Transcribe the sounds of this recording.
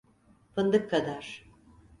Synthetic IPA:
pʰɯnd̪ɯkʰːad̪aɾ̥

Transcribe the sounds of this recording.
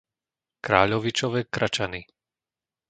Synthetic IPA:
kɾaːʎɔʋit͡ʃɔʋɛːkɾʔat͡ʃani

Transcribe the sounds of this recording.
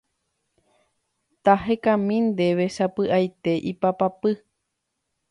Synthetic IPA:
t̪aɦekãmĩnd̪eʋe̞ʃapɨʔajt̪e̞ʔipapapɨ

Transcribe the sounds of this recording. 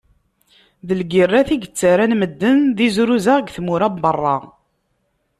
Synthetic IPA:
ðəlɡirːæθiɡət͡sːaɾænməd̪ːənðizɾuzaʁəɡθmuɾæbbərˤːɑ̰

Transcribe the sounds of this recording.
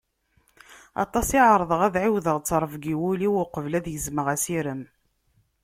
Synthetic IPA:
ɑ̰t̪ˤɑsiʕəɾˤðˤəʁæðʕiwðəʁt͡sːɾˤəvɡiwuliwəqəvlæðjəzməʁæsiɾəm

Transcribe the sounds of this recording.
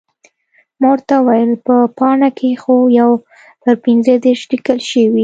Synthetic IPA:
moɾt̪awajəlpəpɑɳakʰexojaw | t̪əɾpinzəd̪eɾʃlikəlʃəwi

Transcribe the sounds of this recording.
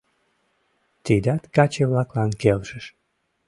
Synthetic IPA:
t̪id̪ɑt̪kɑt͡ɕeβlɑklɑnkelʃəʃ

